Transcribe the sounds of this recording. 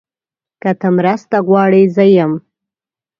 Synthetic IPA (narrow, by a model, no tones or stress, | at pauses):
kat̪əmɾəst̪aɣwɑɽizəjam